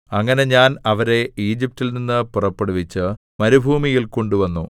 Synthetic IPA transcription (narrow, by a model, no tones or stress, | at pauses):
ɐŋːɐne̞ɲaːnɐʋɐɾe̞iːd͡ʑip̚tːilninːɨpurɐpːeɽuʋit͡ɕːɨ | mɐɾubʱuːmijilko̞ɳɖuʋɐnːu